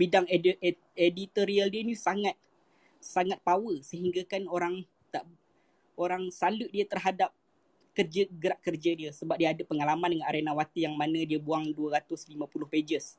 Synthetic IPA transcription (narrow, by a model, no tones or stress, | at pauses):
bidaŋ | edit̪oɾialdiənusaŋat̪̚ | saŋat̪̚pawəsəɦiŋɡakanoɾaŋ | t̪aʔ | oɾaŋsaluʔ̚diət̪ərɦadap̚ | kərd͡ʒəɡəɾaʔkərd͡ʒadiəsəbap̚diaːdəpəŋalamãndəŋanaɾenawat̪ijaŋmanə̃diəbuaŋduəɾat̪ʊslimãpulʊhped͡ʒəs